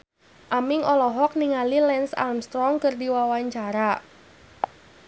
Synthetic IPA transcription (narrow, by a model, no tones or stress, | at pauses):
ʔamɪŋʔɔlɔɦɔk̚niŋalilɛnsa̰lmst̪ɾɔŋkɨrdiwawaɲt͡ʃaɾa